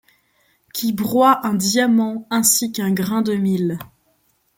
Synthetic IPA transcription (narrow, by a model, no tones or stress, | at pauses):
kʲʰibʁwaʔɛ̃d̪jamɑ̃ɛ̃sikɛ̃ɡʁɛ̃d̪əmil